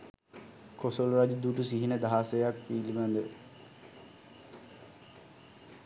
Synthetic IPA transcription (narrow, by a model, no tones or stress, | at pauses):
kosoloɾad͡ʒud̪uʈusiɦinəd̪aɦasejak̚piːlimænd̪ə